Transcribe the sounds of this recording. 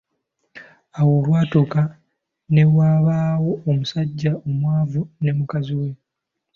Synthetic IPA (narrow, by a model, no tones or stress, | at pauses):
awo̞lwaːtoka | ne̞waːβaːwo̞ːmusaɟːaomwaːvune̞mukaziwe̞